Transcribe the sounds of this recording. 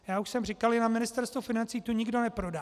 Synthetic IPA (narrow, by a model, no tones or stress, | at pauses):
jaːuʃsɛmr̝ɪkalʒɛnamɪnɪst̪ɛɾst̪vofɪnant͡siːt̪uɲɪɡdo̞nɛpɾo̞da